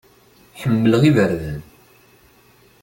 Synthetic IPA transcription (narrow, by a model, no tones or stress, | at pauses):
ħəmːələʁivəɾðən